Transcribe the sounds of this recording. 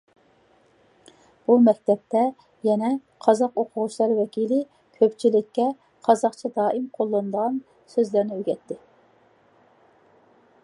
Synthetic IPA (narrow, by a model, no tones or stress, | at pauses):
b̥umɛkʲt̪ʰɛp̚t̪ʰɛ | jɛnɛ | qʰɑzɑqoqʰʊʁʊʃlˠɑɾwɛkʲilɪ | kʲʰøpt͡ʃʰilɪkʲːɛ | qʰɑzɑqt͡ʃʰɑd̪ɑːʔimqʰolˠːɨnd̪əʁɑn | søzlæɾnɪøɡʲɛt̪ʰːɪ